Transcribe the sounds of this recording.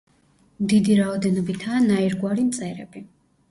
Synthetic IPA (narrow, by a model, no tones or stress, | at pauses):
md̪id̪iɾaɔd̪ɛnɔbit̪ʰaːnaiɾɡwaɾimt̪sʼɛɾɛ̰bi